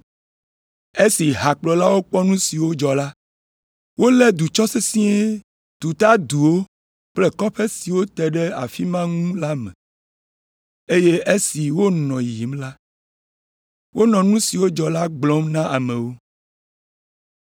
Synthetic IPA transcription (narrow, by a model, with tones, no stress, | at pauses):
e˦si˨ɦa˨k͡plɔ˨la˦wo˦k͡pɔ˦nũ˦si˨wo˦d͡ʒɔ˨la˦ | wo˦lɛ˦d̪u˨t͡ʃɔ˦se˦sĩ˦e˦ | t̪u˨t̪a˦d̪u˨wo˦ | k͡plɛ˦kɔ˦ɸe˦si˨wo˦t̪ɛ˨ɖɛ˦a̰˨fi˦mã˦ŋũ˦la˦mɛ̰̃˨ | e˦je˦e˦si˨wo˦nɔ̃˨ji˨mla˦ | wo˦nɔ̃˨nũ˦si˨wo˦d͡ʒɔ˨la˦ɡ͡blɔ˨˦mnã˦ʔa˨mɛ̃˨wo˦